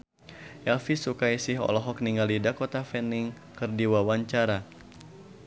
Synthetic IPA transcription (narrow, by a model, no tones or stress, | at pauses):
ʔɛlfisukajsɪɦɔ̰lɔɦɔk̚niŋalidakot̪afɛnɪŋ | kɨrdiwawaɲt͡ʃaɾa